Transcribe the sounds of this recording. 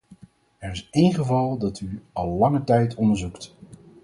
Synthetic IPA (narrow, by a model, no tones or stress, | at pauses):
ɛɹɪsejnχəvɑlˠdɑtyɑlˠːɑŋətɛjtʰɔndəɹzukt